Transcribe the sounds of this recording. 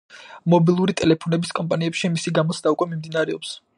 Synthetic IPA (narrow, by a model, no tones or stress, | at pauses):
mɔbilˠuɾit̪ʼɛlɛpʰɔnɛbiskʼɔmpʼaniɛpʃimisiɡamɔt̪sʰd̪aukʼwɛmimd̪inaɾɛɔ̰ps